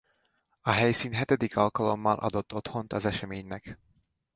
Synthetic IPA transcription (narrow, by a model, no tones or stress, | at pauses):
ɒɦɛjsiːnɦɛt̪ɛd̪ikʰɒlkɒlo̞mːɒlʔɒ̰d̪o̞t̪ʰːo̞t̪ho̞nt̪ɒzɛʃɛmeːɲnɛk